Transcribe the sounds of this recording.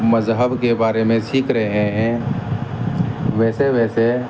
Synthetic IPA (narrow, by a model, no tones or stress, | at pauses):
məzɦəbkebaːɾemẽsiːkɾəɦẽɦɛ̃ | ʋɛːseʋɛːse